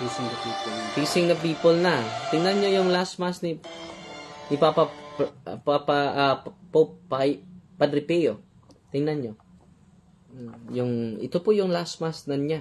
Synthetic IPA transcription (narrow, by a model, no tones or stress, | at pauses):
isɪŋnɐpiːpolt̪isɪŋnɐpiːpolnɐt̪ɪŋnanɲojʊŋlasmasnɪ | nɪpapa | papɐpopːapɐd̪ɾɪpɛjo | t̪ɪŋnanɲo | jʊŋɪ̰t̪opoʔjʊŋlasmasnɐɲa